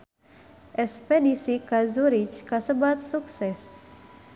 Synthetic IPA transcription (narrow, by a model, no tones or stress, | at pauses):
ɛspedisikazuɾit͡ʃkasəbat̪suksɛs